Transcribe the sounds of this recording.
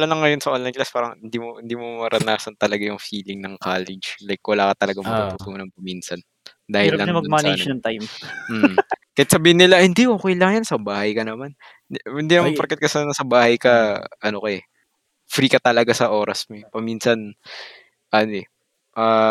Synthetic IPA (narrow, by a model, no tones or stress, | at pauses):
ɐlɐlɐŋːɐjonsɐʔonlɐjnklaspaːɾɐŋhɪnd̪imohɪnd̪iːmomɐɾɐnaːsɐnt̪ɐlɐɡajʊŋfiːlɪŋnɐŋkaːlɛd͡ʒlajk̚ːwɐlaːkɐt̪ɐlɐɡamɐt̪ut̪ut̪uːnɐnpɐminsɐn | d̪aːhɪlːɐmɐmaned͡ʒ̪ɐŋt̪ajmm̩ːkɐjɪt̪sɐbiːhɪnːɪlahɪnd̪iʔoːkɛjlaŋjansɐbaːhɐjkɐnɐman | ɪnd̪inɐmɐnpɐɾkɐt̪̚kɐsanɐsɐbaːhɐjkɐʔɐnokoɛ | fɾiːkɐt̪ɐlɐɡasɐʔo̞ːɾɐsmopɐminsɐn | ʔɐnoɛ | ʔaː